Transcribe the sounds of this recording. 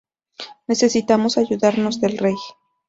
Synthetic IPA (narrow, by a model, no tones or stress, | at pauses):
ne̞se̞sit̪amo̞saʝuðaɾno̞zðe̞lrej